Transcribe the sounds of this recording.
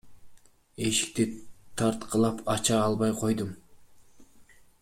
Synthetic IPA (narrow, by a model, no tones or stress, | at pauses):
e̞ʃi̥k̚t̪it̪ʰɑɾt̪qʰɑlˠɑpʰɑt͡ʃɑːlˠβɑjqʰo̞jd̪um